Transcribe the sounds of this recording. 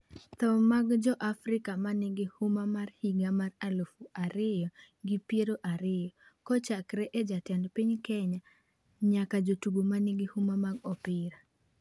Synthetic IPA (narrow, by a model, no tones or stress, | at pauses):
t̪ɔmaɡd͡ʒɔʔafɾɪkamanɪɡɪhumamarhiɡamaralofuaɾɪjɔ | ɡɪpjeɾoʔaɾɪjɔkɔt͡ʃakɾɛʔed͡ʒatɛndpiɲkɛɲa | ɲakad͡ʒotuɡomanɪɡɪhumamaɡɔpɪɾa